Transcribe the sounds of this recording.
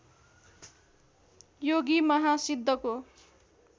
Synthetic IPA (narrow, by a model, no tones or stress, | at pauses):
joɡimʌɦasid̪ʱːʌko